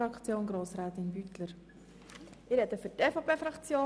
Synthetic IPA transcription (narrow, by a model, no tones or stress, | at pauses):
ɑkʰt͡sjoːnɡɾoːsɾaːt̪ɪnbyt̪ləɾ | ɪːɾhɛt̪əfʏteːfopʰeːfɾɑkt͡sjoː